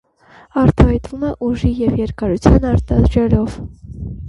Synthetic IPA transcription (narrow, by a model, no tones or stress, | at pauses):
ɑɾt̪ɑhɑjt̪vumɛʔuʒijɛvjɛɾkɑɾut͡sʰjɑnɑɾt̪ɑd̪ɾɛlɔv̥